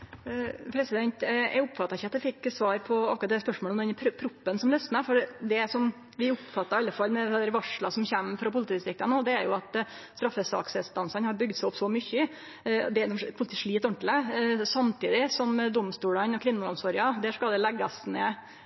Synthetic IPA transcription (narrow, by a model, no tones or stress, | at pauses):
pʰɾɛsɪd̪ɛnt̪æ̰ɪʊpːfɑt̪ːɑɪçəɑt̪̚d̪ɛfɪkːsʋɑːɾpʰɔɑkʊɾɑt̪̚d̪æspœʂmoːləɔmd̪ɛnpʰɾpʰɾʊpːənsɔmlœst̪nəfɔɾd̪ɛsɔm | ʋɪʊpfɑt̪ːɑɾɑlːəfɑlmɛd̪æɾʋɑʂɭɑsɔmçæmːfɾɑpʊlɪt̪iːd̪ɪst̪ɾɪk̚t̪ɑnoːd̪ɛæɾjʊɑt̪ | st̪ɾɑfːəsɑ̰ːksɛlst̪ɑnsɑnhɑɾbʏɡd̪sæɪɔpsɔmʏçə | d̪ɛænɔpʰʊt̪əʂɭiːt̪ɔɳʈ̪ləsɑmt̪iːd̪ɪsɔmd̪ɔmst̪uːlɑnɔkʰʋɪnːəlɔmsɔɾɪɑd̪ɛʂkɑld̪ɛlɛɡːɑsneː